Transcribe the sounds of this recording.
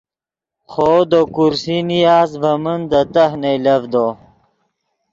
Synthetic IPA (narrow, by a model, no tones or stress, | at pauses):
χoːd̪okuɾsinijaːzvɐmənd̪ət̪ɐɦnejlɐvd̪o